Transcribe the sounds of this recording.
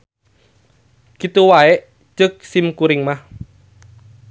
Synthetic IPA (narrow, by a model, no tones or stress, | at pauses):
kit̪uwaeʔ | t͡ʃək̚sɪmkuɾɪŋmah